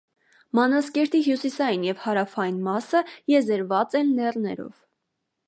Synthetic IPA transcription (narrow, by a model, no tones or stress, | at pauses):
mɑnɑskɛɾt̪iɦjusisɑjinjɛvhɑɾɑfɑjinmɑsəjɛzəɾvɑt͡sɛnlɛrnɛɾɔ̰v̥